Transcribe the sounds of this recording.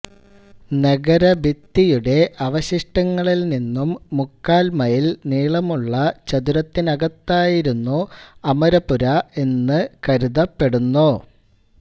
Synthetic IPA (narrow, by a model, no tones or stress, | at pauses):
nɐɡɐɾɐbit̪ːijuɽe̞ʔɐʋɐɕiʂʈɐŋːɐɭilninːumːukːaːlmɐjilniːɭɐmuɭːɐt͡ɕɐd̪uɾɐt̪ːinɐɡɐt̪ːaːjiɾunːuɐmɐɾɐpuɾɐe̞nːɨkɐɾuðɐpːe̞ɽunːu